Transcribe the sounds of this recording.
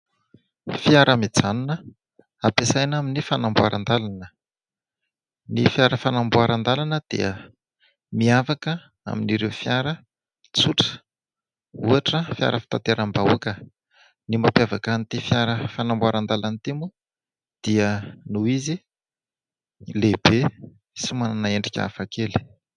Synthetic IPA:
fijaɾamid͡zanunə | apesajnaminifanambuaɾʔa̰nd̪alanə | nifjaɾəfanambuaɾand̪alanəd̪̥ḭə | miafakə | a̰miniɾeufjaɾə | t͡suʈ͡ʂə̥ | uaʈ͡ʂəfja̰ɾəfi̥t̪at̪eɾambaṵkə | nimapjavakanit̪ifjaɾəfanambuaɾand̪alanit̪imu | d̪̥iənuizi | leb̥e | simananaeɳɖ͡ʐikʲa̰fakeli̥

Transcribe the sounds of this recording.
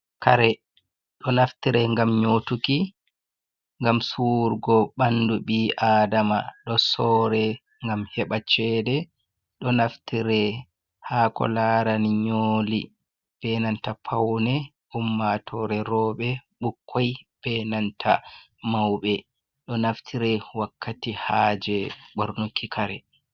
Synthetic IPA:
kaɾɛ | ɗɔnaftiɾɛŋɡamɲoːtuki | ŋɡamsuɾɡɔɓanduɓiʔaːdama̰ɗɔsɔːɾɛ | ŋɡamhɛɓat͡ʃɛdɛ | ɗɔnaftiɾɛ | haːkɔ̰laɾaniɲolḭ | b̥ɛnantapʰawnɛ | umːatʰɔɾɛɾɔːɓɛɓukʰːɔjb̥ɛnantʰa̰ | mawɓɛ | ɗɔnaftʰiɾɛwakːatihaːd͡ʒɛɓoɾnukːikʰaɾɛ

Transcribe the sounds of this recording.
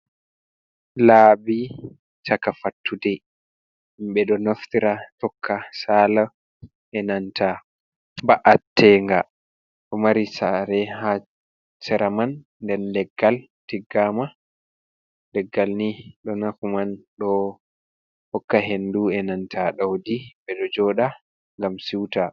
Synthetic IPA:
laːbi | t͡ʃakafatːudɛ | imɓɛɗɔnaftiɾatɔkʰːasaːla | ɛnantʰa | baʔatːɛŋɡa | ɗɔmaɾisaɾɛha | sɛɾamanː | dɛnlɛɡːal | tiɡːama | lɛɡːalniɗɔnafumanɗɔ | hɔkːaɦenduɛnantʰaɗawdiɓɛɗɔd͡ʒɔːɗa | ŋɡamsiwta

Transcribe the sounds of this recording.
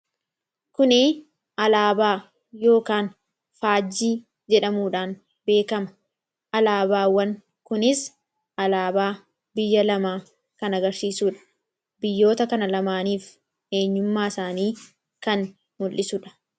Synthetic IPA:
kʊnɪ | ɐlaːbaː | jo̞ːkaːn | faːd͡ʒːiː | d͡ʒɛᶑɐmuːᶑaːn | be̞ːkɐmɐ̥ | ʔɐlaːbaːwɐŋ | kʊnɪs | ʔɐlaːbaː | bɪjːɐlɐmaː | kɐnɐɡɐɾsiːsuːᶑɐ̥ | bɪjːo̞ːt̪ɐkɐnɐlɐmaːniːf | e̞ːɲːʊmːaːɪsaːniː | kɐn | mʊlʔɪsʊᶑɐ̥

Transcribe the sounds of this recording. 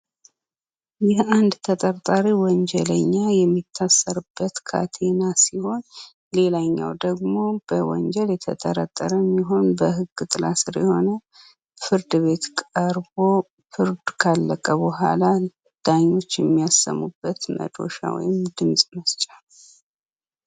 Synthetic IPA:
jɛʔand̪t̪ʰət̪ʼəɾt̪ʼaɾiwɔɲd͡ʒɛləɲːajɛmːit̪ʰːasːəɾɨb̥ːət̪kʰa̰t̪ʰenasiho̞n | le̞laɲːa̰wd̪əɡmo̞b̥əwɔ̰ɲd͡ʒɛljɛt̪ʰət̪ʼəɾət̪ʼːəɾəmːiɦo̞nbəɦɨɡːɨt̪ʼɨlasɨɾjɛho̞nə | fɨɾd̪ɨβe̞t̪kʼəɾbo̞ | fɨɾd̪kʰalːəkʼəβɨɦa̰la | d̪̥aɲːo̞t͡ʃːjɛmːijasːə̰mːubːət̪mə̰d̪o̞̰ʃa̰wɔ̰jɪmd̪ɨnsʼməst͡ʃʼal

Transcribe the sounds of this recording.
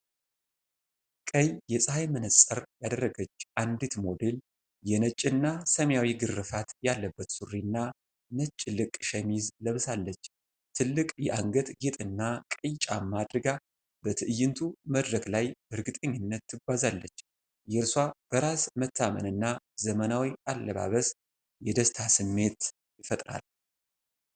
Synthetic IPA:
kʼəjjɛsʼhajmɨnəsʼəɾjad̪ərːəɡət͡ʃːʔand̪it̪mo̞d̪e̞l | jɛnət͡ʃʼːɨnːasəmjawiɡɨrɨfat̪jalːəbːət̪surːinːa | nət͡ʃʼːɪlɨkʼʃɛmizləβsalːət͡ʃː | t̪ʰɨlːɨkʼjɛʔaŋɡət̪ɡet̪ʼɨnːakʼɨjt͡ʃʼamad̪ɾɨɡa | b̥ət̪ʰɨʔɨjːɨnt̪ʰuməd̪ɾəklajbəɾɨɡɨt̪ʼəɲːɪnːət̪ʰːɨɡʷazalːət͡ʃː | jɛɾswab̥əɾasmət̪ʰːamənɨnːazəmənawiʔalːəβa̰βəs | jɛd̪əst̪ʰasɨmːe̞t̪ | ɪfət̪ʼɾa̰l

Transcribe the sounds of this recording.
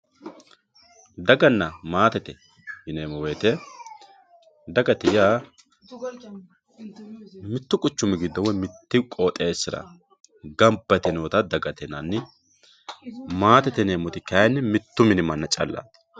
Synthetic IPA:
d̪ɐɡɐnːɐmaːt̪ɛt̪ɛ | hɪneːmɔweːt̪ɛ | d̪ɐɡɐt̪ɪjaː | mɪt̪ːʊkʼʊt͡ʃːʊmɪɡɪd̪ːɔwɔjmɪt̪ːɪkʼoːt̪ʼeːsːɪɾɐ̰ | ɡɐmbɐt̪ɛnoːt̪ɐd̪ɐɡɐt̪ɛnɐnːɪ | maːt̪ɛt̪ɛneːmɔt̪ɪkɐjɛnːɪmɪt̪ːʊmɪnɪmɐnːɐt͡ʃʼɐ̰lːa̰ːt̪

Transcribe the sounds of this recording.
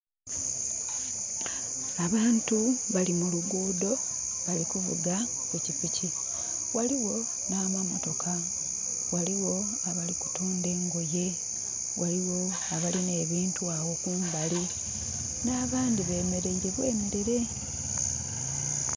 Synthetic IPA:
aβaːntuβalimuluɡuːdo̞ | βalikuvṵɡa | kucipici | waliwo̞ | naːmwamoto̞ka | waliwo̞ | aβaliku̥tuːnde̞ːŋɡoje̞ | waliwo̞ | aβaline̞ːβiːntuawo̞kuːmbali | naːβaːndiβe̞ːme̞ɾe̞iɾe̞βwe̞̰ːmeɾeɾe̞

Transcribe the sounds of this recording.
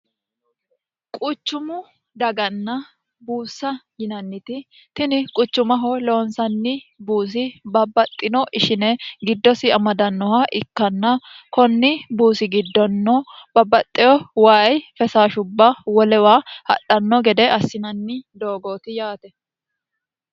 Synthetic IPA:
kʼʊt͡ʃːʊmʊ | d̪ɐɡɐnːɐ | buːsːɐjɪnɐnːɪt̪ɪ | t̪ɪnɪkʼʊt͡ʃːʊmɐɦɔloːnsɐnːɪbuːs̬ɪbɐbːɐt̪ʼːɪnɔʔɪʃɪnɛɡɪd̪ːɔsɪɐmɐd̪ɐnːɔhɐʔɪkːɐnːɐkɔnːɪbuːsɪɡɪd̪ːɔnːɔb̥ɐbːɐt̪ʼːɪjɔwaːjfɛsaːʃʊbːɐwɔlɛwahɐ̰ɗɐnːɔɡɛd̪ɛʔɐsːɪnɐnːɪd̪oːɡoːt̪ɪjaːt̪ɛ

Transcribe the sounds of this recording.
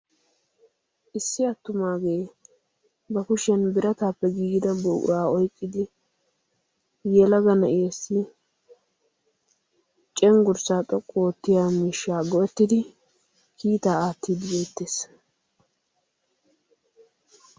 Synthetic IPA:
ʔɪsːɪɐt̪ːʊmaːɡe̞ː | bɐkʊʃɛnbɪɾɐt̪aːpːɛɡiːɡɪd̪ɐboːʊ̰ɾaːɔjkʼːɪd̪ɪ | jɛlɐɡɐnɐʔɪɛsɪ | t͡ʃʼɛŋɡʊɾsaːt̪ʼɔkʼːoːt̪ːɪjaːmiːʃːaːɡɔɛt̪ːɪd̪ɪ | kiːt̪aːaːt̪ːiːd̪ɪbeːt̪ːeːs

